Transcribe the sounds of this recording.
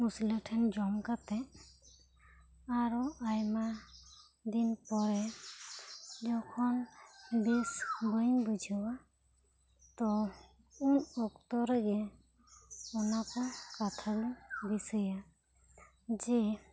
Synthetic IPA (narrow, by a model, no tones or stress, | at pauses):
muslɔtʰɛnd͡ʒɔmkat̪ɛ | aɾɔajma | d̪inpɔɾɛ | dɔkʰɔnbɛsbɔjbud͡ʒʱiwa | t̪ɔ | unɔkt̪ɔɾɛɡɛ | ɔnakɔkat̪ʰalubisɯja | d͡ʒɛ